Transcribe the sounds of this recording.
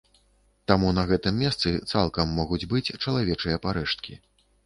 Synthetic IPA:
t̪amunɐɣɛt̪ɨmːʲɛst̪sɨt̪salˠkɐmːɔɣud͡zʲbɨt͡sʲt͡ʂɐlˠavʲɛt͡ʂɨjɐpaɾɛʂt̪̚kʲi

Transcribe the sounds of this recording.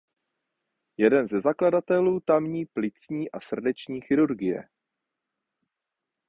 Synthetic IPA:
jɛdɛnzɛzakladat̪ɛluːt̪amɲiːplɪt͡sɲiːʔasr̩dɛt͡ʃɲiːxɪɾuɾɡɪjɛ̰

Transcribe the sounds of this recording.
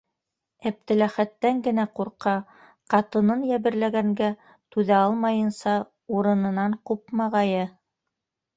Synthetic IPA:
æp̚t̪ɘ̆læχæt̪ːæŋɡɘ̆næquɾqɑ | qɑt̪ɤ̆nɤnjæβɘ̆ɾlæɡæŋɡæ | t̪ʉðæɑlˠmɑjɤ̆nsɑ | uɾɤ̆nɤ̆nɑɴqup̚mɑʁɑjɤ

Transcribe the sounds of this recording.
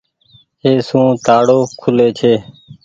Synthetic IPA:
ɦeːsũːt̪aːɽoːkʰʊleːt͡ʃʰeː

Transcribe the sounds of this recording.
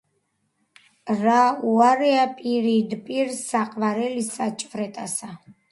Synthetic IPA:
ɾauaɾɛapʼiɾid̪pʼiɾsaqʼvaɾɛlisat͡ʃʼvɾɛt̪ʼasa

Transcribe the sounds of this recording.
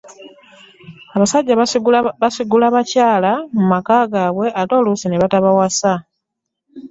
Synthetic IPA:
aβasaɟːaβasiɡulaβacaːlamumakaːɡaːβwe̞ʔato̞ːlusineβataβawasa

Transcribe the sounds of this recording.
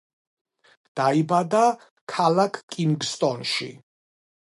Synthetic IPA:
d̪̥aibad̪a | kʰalakʰkʼːimɡst̪ʼɔnʃḭ

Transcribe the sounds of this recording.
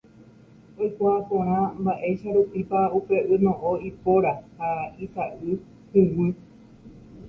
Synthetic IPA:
ojkʷaːpõɾ̃ãmbaʔe̞ʃaɾupipaupe̞ʔɨnõʔõipoɾahait̪aʔɨ | hɨ̃wɨ

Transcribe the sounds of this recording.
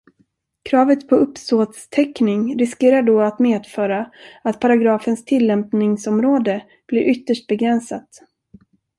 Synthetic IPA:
kʰɾɑːvət̪pʰɔɵpst̪oːt̪st̪ʰɛknɪŋɾɪskeːɾaɖoːat̪meːd̪fœːɾaat̪pʰaɾaɡɾɑːfənst̪ʰɪlːɛmpnɪŋsɔmɾoːd̪ə | b̥lɪɾʔʏt̪ːəʂʈ̚bɛɡɾɛnsat̪

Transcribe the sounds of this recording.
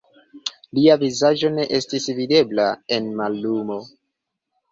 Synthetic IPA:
liavizaʒo̞ne̞ʔe̞stisvide̞blae̞nmalːumo̞

